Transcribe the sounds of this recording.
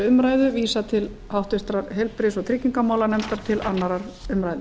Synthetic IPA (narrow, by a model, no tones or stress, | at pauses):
ʏmɾaːjðʏviːsat̪ʰɪl | hawht̪ʏst̪ɾaɾɦejlpɾɪsɔɣt̪ʰɾɪcːiŋkamaːwlanɛmt̪aɾ̥t̪ʰɪlanːaɾaɾ | ʏmɾajðʏ